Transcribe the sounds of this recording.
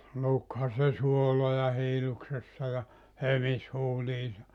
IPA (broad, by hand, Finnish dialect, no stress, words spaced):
lukhɑ se suolojɑ hiːluksesːɑ jɑ hømis huːliːsɑ